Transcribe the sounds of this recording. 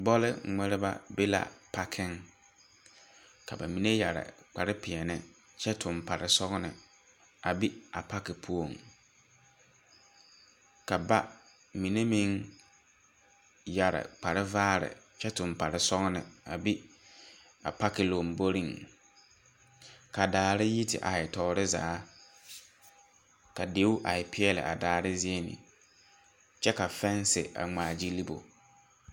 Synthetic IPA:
bɔ˦lɪ˦ŋ͡mɛ˦ɾɪ˦ba̰˦be˦la̰˨pʰa˦kʰɪ˦ŋ | kʰa˨ba̰˨mi˨ne˦ja˨ɾɪ̰˨k͡pa˨ɾɪ˦pɪ˨ɛ˨nɪ˨ | t͡ʃɛ˦tʰʊ˨mpa˨ɾɪ˨sɔ˦ɣnɪ̰˨ | a˨bi˦a˨pa˦kɪ˨pʰu˦o˨ŋ | ka˨ba˦ | mi˨ne˦mĩ˦ŋ | ja˨ɾɪ̰˨k͡pa˨ɾɪ˦vaː˦ɾɪ̰˨ | t͡ʃɛ˦tʊ˨mpa˨ɾɪ˨sɔ˦ŋ˦nɪ˨a˨bi˦ | a̰˨pa˦kɪ˨lo˨mbo˦ɾi˦˨ŋ | ka˨daː˨ɾɪ˦ji˦tɪ̰˨ʔa˨ɪ˨tɔ˨˦ɾɪ˦za̰ː˨˦ | ka˨de˦wʔa˨ɪ˨pʰɪ˦ɛ˦lɪ̰˨ʔa̰˨daː˨ɾɪ˦zɪ˦e˦nɪ̰˨ | t͡ʃɛ˦ka˨fɛ˦n˦sɪ̰˨ʔa̰˨ŋ͡maː˨d͡ʒi˦li˦bo̰˨

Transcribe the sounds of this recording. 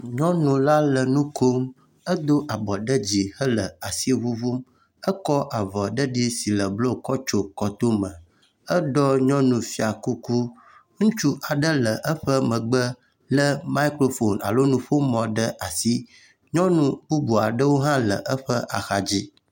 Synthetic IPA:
ɲɔ̃˦nũ˨la˦lə˨nũ˦kʰo˦m | ə˦d̪o˦ʔa˨bɔ˨ɖə˦d͡ʑi˨hə˦lə˨a˨si˦vu˦vu˦m | ə˦kɔ˦ʔa˨vɔ˨ɖə˦ɖi˦si˨lə˨blo˦˨kɔ˦t͡ʃo˦kɔ˨t̪o˦mə̃˨ | ə˦ɖɔ˦ɲɔ̃˦nũ˨fi˦a˨ku˦ku˦ | ŋũ˦t͡ʃu˦ʔa˨ɖə˦lə˨ʔə˦ɸə˦mə̃˨ɡ͡bə˦ | lə˦ma˦i˦kɾo˦fo˨na̰˨lo˦nũ˦ɸo˦mɔ̃˨ɖə˦ʔa˨si˦ | ɲɔ̃˦nũ˨bu˦bu˨a˨ɖə˦wo˦ɦã˦lə̰˨ʔə˦ɸə˦ʔa˨xa˨d͡ʑi˦

